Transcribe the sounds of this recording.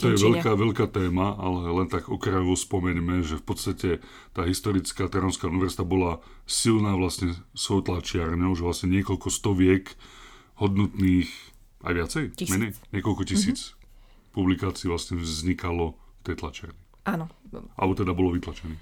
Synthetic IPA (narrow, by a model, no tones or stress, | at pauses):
t̪ɔjɛʋɛʎkaːʋɛʎkaːt̪ɛːmaalɛlɛnt̪aɡɔkɾajɔʋɔspɔmɛɲmɛʒɛfpɔt̪st̪acɛ | t̪aːɦist̪ɔɾit͡skaːt̪ɛɾɔnskauniʋɛɾzit̪abɔla | silnaːʋlasɲɛsɔwt̪lat͡ʃɪaɾɲɔʊʒɛʋlasɲɛɲɪɛkɔlkɔst̪ɔʋɪɛk | hɔd̪nɔt̪niːx | a̰jʋɪat͡sɛjmɛɲɛjɲɪɛkɔlkɔcisiːt͡s | publikaːt͡siːʋlasɲɛvzzɲikalɔft̪ɛjt̪lat͡ʃɪa̰ɾɲi | ʔanɔʔa̰lbɔt̪ɛd̪abɔlɔʋit̪lat͡ʃɛniː